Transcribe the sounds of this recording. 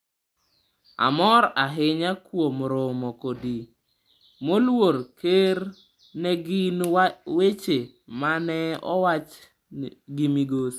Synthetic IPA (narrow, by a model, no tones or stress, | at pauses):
a̰mɔɾaɦɪɲakwomɾomɔkodi | molwoɾkʰeɾ | nɛɡɪnwet͡ʃe | manɛɔ̰wat͡ʃ | ɡimiɡos